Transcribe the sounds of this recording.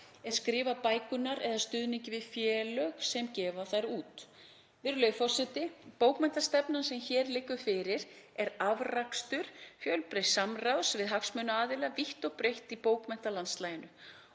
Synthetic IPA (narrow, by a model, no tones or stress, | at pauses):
ɛðskɾɪːvapaːjkʏnaɾɛðast̪ʏðniɲcɪvɪðfjɛːlœɣsɛmcɛːvaθajɾuːt̪ | vɪɾʏlœjfɔr̥sɛt̪ɪpowkmɛnt̪ast̪ɛpnansɛmçɛːɾlɪkːʏfɪːɾɪɾ̥ɛɾavrakst̪ʏɾ̥fjœlpɾejsamrawsvɪðɦaksmœnʏaːðɪlaviht̪ɔɣpɾejht̪ipoːwkmɛn̥t̪alanst̪laːjɪnʏ